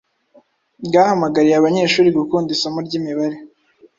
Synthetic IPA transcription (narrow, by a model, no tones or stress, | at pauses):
bɡaːhamaɡaɾijeaβaɲe̞ːʃuːɾiɡukuːndisamuɾɟiːmiβaɾe